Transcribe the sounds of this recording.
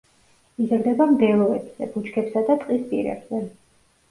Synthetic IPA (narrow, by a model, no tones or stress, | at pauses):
izɾd̪ɛbamd̪ɛlˠɔɛbz̥ɛb̥ut͡ʃʰkʰɛpsad̪at̪ʼqʼispʼḭɾɛ̰bz̥ɛ